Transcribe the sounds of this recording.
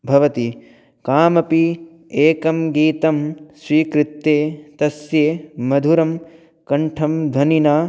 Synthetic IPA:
bʱɐʋɐt̪i | kaːmɐpi | eːkɐmɡiːt̪ɐmsʋiːkɾɪt̪ːeːt̪ɐsjeːmɐd̪ʱuɾɐm | kɐɳʈʰɐmd̪ʱɐninaː

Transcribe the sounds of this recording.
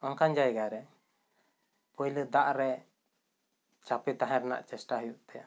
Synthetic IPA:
ɔnkand͡ʒajɡaɾɛ | pɔjləd̪aʔɾɛ | t͡ʃapɛt̪aɦɛ̃ɾɛna̰ʔt͡ʃɛsʈaɦujuʔt̪ɛja̰

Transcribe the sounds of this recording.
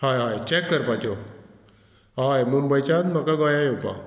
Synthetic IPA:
hajɦajt͡ɕɛkːəɾpat͡ɕɔ | ɦajmumbəjt͡ɕanməkaɡɔjajupa̰

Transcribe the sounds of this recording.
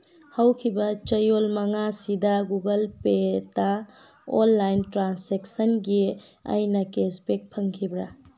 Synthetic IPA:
hawkʰibɐt͡ʃɐjolmɐŋasidɐɡuɡɐlpeta | o̰nːajntɾansek̚sɐnɡi | a̰jnɐkespek̚pʰɐŋkʰibɾa

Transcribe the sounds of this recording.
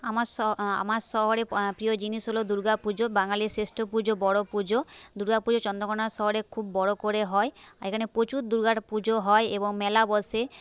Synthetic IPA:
amaɾsɔa̰maɾsɔɦɔɾepɾijɔd͡ʒinisɦolod̪uɾɡapud͡ʒobaŋalisesʈʰopud͡ʒobɔɽopud͡ʒod̪uɾɡapud͡ʒot͡ʃɔnd̪ɔkɔɽaɾsɔɦɔɾekʰubːɔɽokoɾeɦɔeaekʰanepot͡ʃuɾd̪uɾɡaɽpud͡ʒoɦɔeebɔŋmɛlabɔse

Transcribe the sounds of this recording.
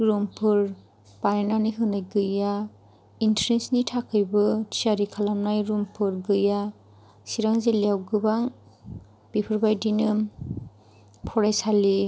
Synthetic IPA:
ɾumpʰɯɾ | panenaniɦɯnajɡɯja | intɾensnitʰakʰɯjbɯtʰsaɾikʰalamnajɾumpʰɯɾɡɯja | siɾaŋzeleawɡɯbaŋ | b̥ipʰɯɾbajdinɯ | pʰɔɾajsali

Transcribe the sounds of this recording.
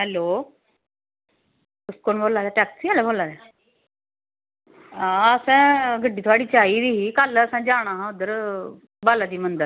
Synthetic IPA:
ɦɛloː | ʊskoːnboːlaːd̪ɛːʈɛːksialeboːlaːd̪eː | ãːəsãːɡəɖiːt̪ʰoaːɽiːt͡ʃaːiɾiɦikaləsãːd͡ʒaːɽ̃aːɦãʊd̪əɾ | baːlad̪iːmənd̪əɾ

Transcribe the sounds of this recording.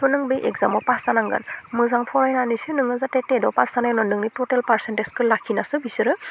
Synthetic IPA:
tɔnɯŋbejʔḛkzamɔpasanaŋɡa̰nmɯzaŋpʰɔɾajnanisɯnɯŋɯzatetedɔpasanajnɔnɯŋnitɔtelpaɾsenteskʰɯlakʰinasɯbisɯɾɯ

